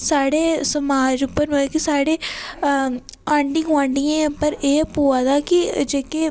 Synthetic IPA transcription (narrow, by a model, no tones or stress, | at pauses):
saːɽeːsɐmaːd͡ʒʊpːəɾʋɐkisaːɽeː | ãːɳɖɪ̃ŋɡʋãːɳɖijẽːpəɾeːpuːaːd̪aːkid͡ʒeːke